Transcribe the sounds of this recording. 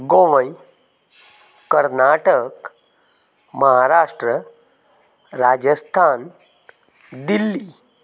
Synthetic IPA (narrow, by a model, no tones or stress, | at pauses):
ɡoʋə̃j | kəɾnaʈək | məɦaɾaʂʈɾə | ɾad͡ʑəst̪ʰan | d̪ilːi